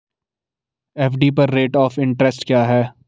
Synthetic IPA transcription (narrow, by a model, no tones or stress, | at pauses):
ɛːfɖiːpɐɾːeːʈɔːfɪ̃ɳʈɾɛsʈkjaːɦɛː